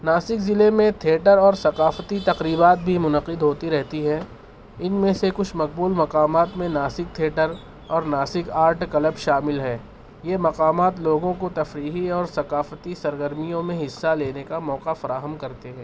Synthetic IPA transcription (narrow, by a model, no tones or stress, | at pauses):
naːsɪkzɪlemẽt̪ʰeːʈəɾɔːɾsɐqaːfət̪it̪ɐqɾiːbaːt̪̚bʱimʊnəqɪd̪ɦoːt̪iɾɛɦt̪iɦɛ̃ː | ɪnmẽsekʊt͡ʃʰmɐq̚buːlmɐqaːmaːt̪mẽnaːsɪk̚t̪ʰeːʈəɾ | ɔːɾnaːsɪkaːɾʈkɐləbʃaːmɪlɦɛː | jeːmɐqaːmaːt̪loːɡõkot̪ɐfɾiːɦiɔːɾsɐqaːfət̪isɐɾɡəɾmijõmẽɦɪsːaleːnekamɔːqafɐɾaːɦəmkɐɾt̪eɦɛ̃ː